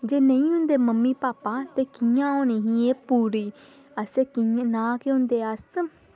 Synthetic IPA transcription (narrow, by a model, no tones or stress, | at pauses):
d͡ʒeːnəĩːɦʊ̃nd̪eːməmːiːpaːpãːt̪eːkijãːoːniːɦĩːeːpuːɾiː | əseːkĩnãːkeɦʊ̃nd̪eːəs